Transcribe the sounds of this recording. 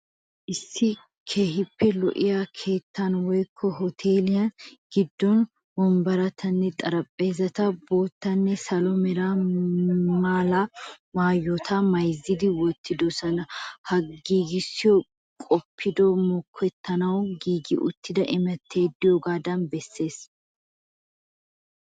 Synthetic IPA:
ʔɪsːɪ | kʰe̞ːhɪpːɛlɔ̰ʔɪjakʰe̞ːt̪ːɐnwɔjkʰːɔɦɔt̪ʰe̞ːlɪjɐnɡ̥ɪd̪ːɔn | wɔmbɐɾɐt̪ʰɐnːɛt̪ʼɐɾɐpʼːe̞ːzɐt̪ɐbo̞ːt̪ːɐnːɛsɐlɔmɛɾa | maːlamaːjːɔt̪ʰɐmɐjzːɪd̪ɪwɔt̪ʰːɪd̪ɔsɐnɐhɐɡiːɡɪsːɪjɔ | kʼɔpʰːɪd̪ɔmɔkʰːɛt̪ːɐnɐwɡiːɡɪʔʊt̪ːɪd̪ɐʔɪmɛt̪ːe̞ːd̪ːɪjɔːɡaːd̪ɐnbɛsːe̞ːs

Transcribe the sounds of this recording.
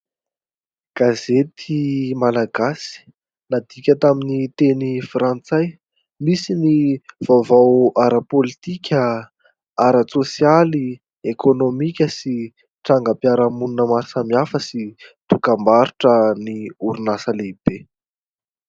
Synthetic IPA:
ɡ̥azet̪ʰimalaɡasi̥ | nad̪ikʲət̪aminit̪enifrant͡saj | misiniv̥avawaɾəpolit̪ikʲə | aɾət͡sosjali | ekonomikʲəsi | ʈ͡ʂaŋɡəpjaɾəmununəmaɾsamiafəsit̪ukambaɾuʈ͡ʂəniuɾunasəleib̥e

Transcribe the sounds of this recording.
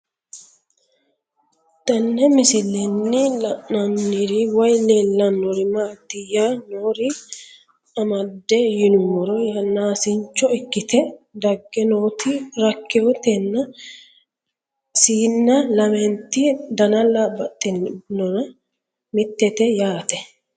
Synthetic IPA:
t̪ɐnːɛmɪsɪlːɛnːɪlɐʔɐnːɪɾɪwɐjleːlːɐnːɔɾɪmaːt̪ːɪjaːnoːɾɪ | ɐmɐd̪ːɛjɪnʊmɔɾɔjɐnaːsɪɲt͡ʃːɔɪkːɪt̪ɛd̪ɐɡːɛnoːt̪ɪɾɐkːɛɔt̪ɛnːɐ | siːnːɐlɐmɛnt̪ːɪd̪ɐnɐlːɐbɐt̪ʼːɪnːɔnɐ | mɪt̪ːɛt̪ɛjaːt̪ɛ

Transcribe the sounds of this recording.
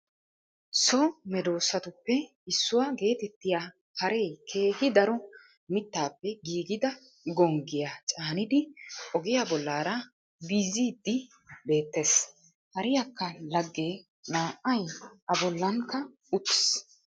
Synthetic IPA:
sɔmɛd̪o̞ːsːɐt̪ʊpːɛ | ɪsːʊwaːɡe̞ːt̪ɛt̪ːɪja | hɐɾe̞jkʰe̞ːhɪd̪ɐɾɔ | mɪt̪ːaːpːɛɡiːɡɪd̪ɐ | ɡɔŋɡɪjat͡ʃʼaːnɪd̪ɪʔɔɡɪjaːbɔlːaːɾɐ | biːziːd̪ːɪ | be̞ːt̪ːe̞ːs | hɐɾɪjɐkːɐlɐɡːe̞ː | naːʔːɐjʔɐbɔlːɐŋkːɐ | ʊt̪ːɪ̥s

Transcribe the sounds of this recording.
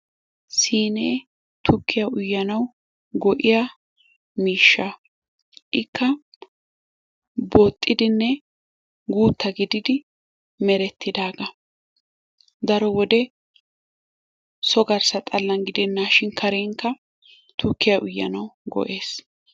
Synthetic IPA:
siːneː | t̪ʰʊkʰːɪjɐʔʊjːɐnɐw | ɡɔʔɪja | miːʃːaː | ʔɪkːɐ | boːt̪ʼːɪd̪ɪnːɛ | ɡuːt̪ːɐɡɪd̪ɪd̪ɪ | mɛɾɛt̪ʰːɪd̪aːɡɐ | d̪ɐɾɔwɔd̪ɛ | sɔɡɐɾsɐt̪ʼɐlːɐŋɡɪd̪ɛnːaːʃɪnkʰɐɾeːŋkːɐ | t̪ʊkːɪjɐʔʊjːɐ̰nɐwɡɔ̰ʔe̞ːs

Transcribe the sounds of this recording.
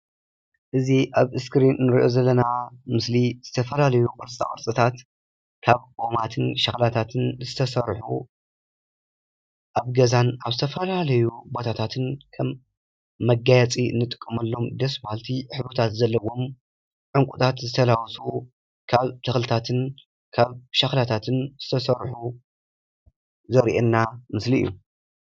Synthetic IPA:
ʔɨziʔaβɨskɾinnɨɾiʔo̞zɐlːɐnamɨsliz̥ɨt̪ʰɐfɐlalɐjuqʼɨɾt͡sʼa̰kʼɨ̰ɾt͡sʼɨt̪ʰat̪ | kʰaβomat̪ʰɨnʃɐxlat̪ʰat̪ʰɨnzɨt̪ʰɐsɐɾħu | ʔaβɡɐzanaβzɨt̪ʰɐfɐlalɐjubo̞t̪ʰat̪ʰat̪ʰɨnkʰɐmː | ɐɡajɐt͡sʼiɨnːɨt̪ʼɨ̥kʼːɨmɐlːo̞md̪ɐsbahalt̪ʰiħɨβot̪ʰat̪zɐlːɐwo̞m | ʕɨŋkʼut̪ʰat̪zɨt̪ʰɐlawsu | kʰaβt̪ʰɐxlɨt̪ʰat̪ʰɨn | kʰaβʃɐxlat̪ʰat̪ʰɨnz̥ɨt̪ʰɐsɐɾħu | zɐɾʔenːamɨsliʔɨ̰jːu

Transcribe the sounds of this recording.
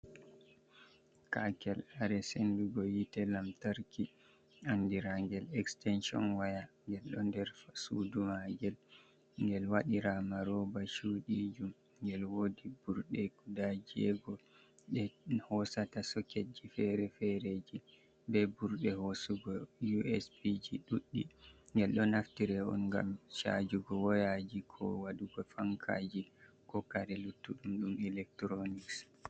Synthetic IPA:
kakɛlaɾɛsenduɡɔjitɛlamtaɾki | andiɾaŋɡɛlɛkstɛnʃiɔ̰nwajaŋɡɛlɗɔndɛɾfasṵdumaɡɛl | ŋɡɛlwaɗiɾamaɾɔbaʃuːɗid͡ʒum | ŋɡɛlwodibuɾɗɛkudad͡ʒiɛ̰ɡɔ | ɗɛhɔsatasɔked͡ʒifɛɾɛfɛɾed͡ʒi | bɛbuɾɗɛhosuɡɔjuɛ̰spid͡ʒiɗuɗːiŋɡɛlɗɔnaftiɾɛɔ̰nŋɡa̰mʃa̰d͡ʒuɡɔwɔjad͡ʒikʰɔ̰waɗuɡɔfaŋkʰa̰ːd͡ʒi | kɔkaɾɛlutːuɗumɗumɛlɛk̚tɾoniks

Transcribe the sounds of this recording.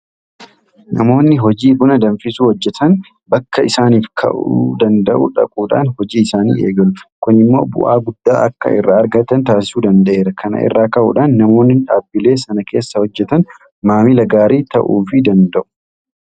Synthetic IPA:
nɐ̰mo̞ːnːɪɦɔd͡ʒiːbʊnɐd̪ɐnfɪsuːhɔd͡ʒːɛt̪ʰɐn | bɐkːɐɪsaːniːfkʰɐ̰ʔṵd̪ɐnd̪ɐʔṵᶑɐ̰kʼuːᶑa̰ːnhɔd͡ʒiːɪsaːnḭːʔe̞̰ːɡɐlʊkʊnɪmːo̞̰ːbʊ̰ʔa̰ːɡʊd̪̥ːaːʔɐkːɐ̰ʔɪ̰rːaːɐɾɡɐt̪ɐnt̪aːsɪ̥suːd̪ɐnd̪ɐʔe̞ːɾɐkʰɐnɐ̰ʔɪ̰rːaːkɐʔṵːᶑaːnːɐmo̞ːnːɪᶑaːbːɪle̞ːsɐnɐke̞ːsːɐhɔd͡ʒːɛt̪ɐn | maːmɪlɐɡaːɾiːt̪ɐ̰ʔuːfɪd̪ɐnd̪ɐʔʊ̥

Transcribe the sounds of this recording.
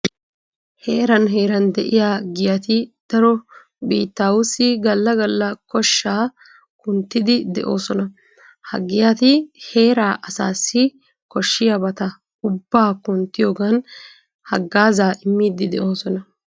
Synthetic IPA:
he̞ːɾɐnɦe̞ːɾɐnd̪ɛʔɪjaːɡɪjɐt̪ɪd̪̥ɐɾɔ | bḭːt̪ːaːwʊsɪɡɐlːɐɡɐlːɐkɔʃːaː | kʊnt̪ːɪd̪ɪd̪ɛ̰ʔo̞̰ːsɔnɐ | hɐ̰ɡɪjat̪ɪhe̞ːɾaːʔɐsaːsːɪ | kɔʃːɪjabɐt̪ɐ | ʊbːaːkʊnt̪ːɪjoːɡɐn | hɐɡːaːzaːʔɪmːiːd̪ɪd̪ɛʔo̞ːsɔnɐ

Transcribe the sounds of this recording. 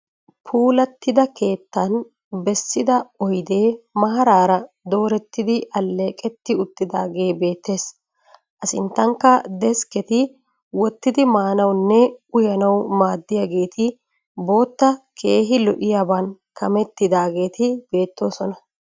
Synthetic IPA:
pʰuːlɐt̪ːɪd̪ɐke̞ːt̪ːɐn | bɛsːɪd̪ɐɔjd̪eːmɐɦɐɾaːɾɐ | d̪o̞ːɾɛt̪ːɪd̪ɪʔɐlːe̞ːkʼɛt̪ːɪʊt̪ːɪd̪a̰ːɡe̞ːbe̞ːt̪ːe̞ːs | ʔɐsɪ̰nt̪ːɐŋkːɐd̪ɛskɛt̪ɪ | wɔt̪ːɪd̪ɪmaːnɐwnːɛʊjɐnɐwmaːd̪ːɪjaɡe̞ːt̪ʰɪ | bo̞ːt̪ːɐkʰe̞ːɦɪlɔʔɪjaːbɐnkɐmɛt̪ːɪd̪aːɡe̞ːt̪ɪb̥e̞ːt̪ːo̞ːsɔnɐ

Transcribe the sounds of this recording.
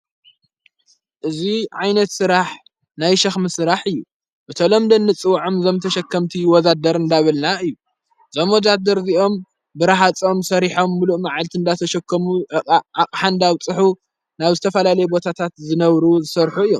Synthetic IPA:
ʔɨziʕajnɐt̪sɨɾaħ | najʃɐxmɨsɨɾaħɨjːu | bɨt̪ʰɐlomd̪ɐnːɨt͡sʼɨwʕomzomt̪ʰɐʃɐkʰːɐmt̪ʰiwɔzad̪ɐɾɨnd̪aβɐlnaɨjːu | z̥omwɔd̪ad̪ɐɾziʔo̞m | bɨɾaɦat͡sʼo̞msɐɾiħo̞mːuluʔmaʕalt̪ʰiɨnd̪at̪ʰɐʃɐkʰːɐmuakʼħand̪aβt͡sʼɨħu | naβzɨt̪ʰɐfɐlalɐjɛbo̞t̪ʰat̪ʰat̪zɨnɐβɾuzɨsɐɾħuɨjːo̰m

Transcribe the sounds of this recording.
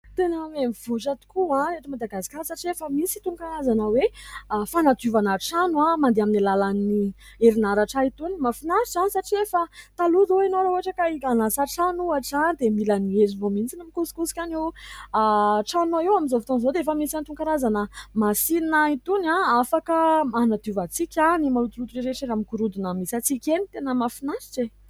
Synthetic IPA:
t̪enamemiv̥ut͡ʃat̪u̥kuãɾeʈ͡ʂimad̪aɡasi̥kaɾsaʈ͡ʂiefəmisi̥t̪uŋkaɾazanəwefanat̪uvanaʈ͡ʂanuamand̪eaminilalani | eɾinaɾaʈ͡ʂait̪unimafinaɾizanisaʈ͡ʂiefət̪aluzoenoɾauaʈ͡ʂəkaianasaʈ͡ʂanuaʈ͡ʂand̪emilaniezivomint͡sinamikusi̥kusi̥kʲanewaʈ͡ʂanaewamizofit̪onzod̪eefəmisant̪uŋkaɾazanəmasinnait̪unaafakəanad̪uvat͡sikʲanimalut̪ulut̪uɾeɾeʈ͡ʂeɾamikuɾud̪unəmisat͡sikʲenit̪enəmafinasi̥ʈ͡ʂe

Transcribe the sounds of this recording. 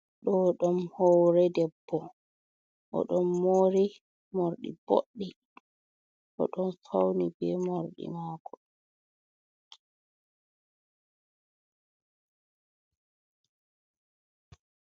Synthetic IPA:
ɗɔɗɔmhɔwɾɛdɛbːɔ | ʔɔ̰ɗɔmːoɾi | moɾɗḭb̥o̰ɗːi | ʔɔ̰ɗɔnsawnibɛmoɾɗḭmaːkʰɔ

